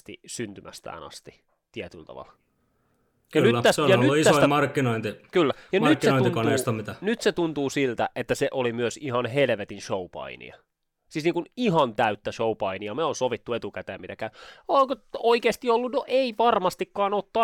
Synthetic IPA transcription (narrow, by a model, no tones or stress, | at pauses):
st̪ḭsynt̪ymʔæ̰st̪æ̰ːnɑ̰st̪i̥ | t̪iɛt̪ylt̪ɑ̰ʋɑ̰l | kɑnytːæt̪æseojɑlnytːuisæosimɑrkːinoint̪ikylːæjɑnmykt̪senoinuinkonneˑist̪omit̪ænyt̪set̪unt̪uːsilt̪æ̰ʔet̪ːæseʔolimyøsihɑnɦelʋet̪inʃoupɑ̰inḭɑ | sisniːŋkuniɦɑnt̪æyt̪ːæʃoupɑiniɑmeoːnsoʋit̪ːuet̪ukæt̪eːmit̪ækæyolkooikeːst̪iolːunoʔeiʋɑrmɑst̪ikːɑːnot̪ːɑː